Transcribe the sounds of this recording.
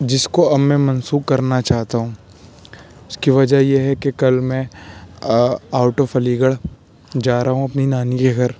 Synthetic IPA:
d͡ʒɪskoɐbmẽmɐnsuːkkɐɾnat͡ʃaːɦt̪aɦũː | ʊskiʋɐd͡ʒajeɦɛkekɐlmɛ̃ | aːʊʈofɐliːɡəɽ | d͡ʒaːɾaːɦũɐpninaːnikeɡʱɐɾ

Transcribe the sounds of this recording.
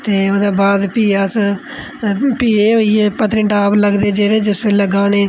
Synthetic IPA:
t̪eːoːd̪aːbaːd̪piːaːs | piːeːɦoːieːpət̪ɾĩːʈaːbləɡd̪eːd͡ʒeːɾeːd͡ʒɪsbeləɡaːneː

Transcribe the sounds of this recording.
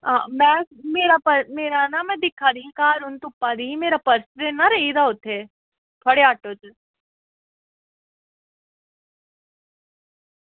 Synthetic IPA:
ãːmɛ̃ːmeːɾapɐɾmeːɾanamɛ̃d̪ɪkʰad̪iĩkaːɾʊnt̪ʊpːaɾiĩmeːɾapɐɾsɾenaɾɐɦid̪aɦot̪e | pʰɐɽeaːʈot͡ʃ

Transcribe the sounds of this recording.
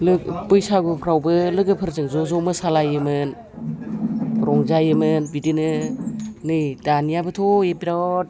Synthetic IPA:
lɯpɯjsaɡɯpʰɾawbɯlɯɡɯpʰɯɾzɯŋzɔzɔmɯsalajɯmɯn | ɾɔŋzajɯmɯnbidinɯ | nɯjdanijabɯtʰoepiɾat̚

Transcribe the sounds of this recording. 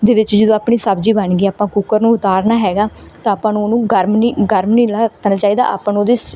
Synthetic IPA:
d̪eːʋɪt͡ʃd͡ʒəd̪õːaːpɳiːsəbd͡ʒiːbəɳɡiːaːpãːkuːkəɾnũːʊt̪aːɾnaːɦɛːɡaːt̪ãːpãːnoːnũːɡəɾmniːɡəɾmnĩːlat̪ənːt͡ʃaːiːd̪a̰ːʔa̰ːpənoːd̪eːs

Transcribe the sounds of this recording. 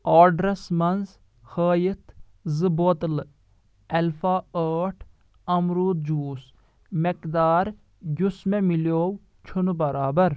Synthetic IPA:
aːɖɾɐsmɐnz | həːjit̪ʰ | zɨboːt̪l | ɛlfaːəːʈʰ | ɐmɾuːt̪̚d͡ʒuːs | mekd̪aːɾ | ɡʲusmemiljoːw | t͡ʃʰunbɐɾaːbɐɾ

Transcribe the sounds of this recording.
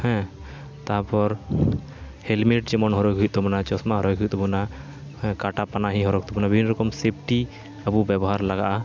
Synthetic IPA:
hɛ̃ | t̪apɔɾ | helmeʈd͡ʒɛmɔnɦɔɾɔjɡʱuit̪t̪ɔbɔnat͡ʃɔsmaɦɔɾɔjɡʱuit̪ɔbunã | kaʈapanaɦĩɦɔɾɔk̚t̪ɔbunabibʱinːɔɾɔkɔmsep̚ʰʈi | əbubɛbɔɦaɾlaɡaʔa

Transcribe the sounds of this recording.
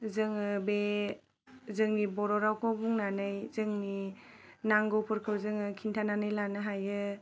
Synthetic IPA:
zɯŋɯbe | zɯŋnibɔɾɔɾawkʰɔbuŋnanɯjzɯŋni | naŋɡɔwpʰɯɾkʰɯwzɯŋɯkʰintʰananɯjlanɯɦajɯ

